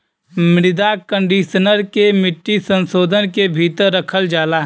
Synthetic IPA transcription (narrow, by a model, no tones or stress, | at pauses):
mɪɾɪd̪akə̃ɳɖiːʃənəɾkemɪʈːisə̃nsoːd̪ʱənkebʱiːt̪əɾːəkʰəld͡ʒaːlaɦ